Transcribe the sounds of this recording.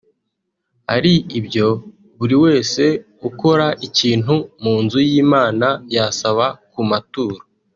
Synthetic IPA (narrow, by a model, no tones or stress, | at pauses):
a̰ɾiibjo̞ | βuɾiwe̞ːse̞ | uko̞ɾaʔiciːn̥humuːnzujiːmaːnajasaβakumatuːɾa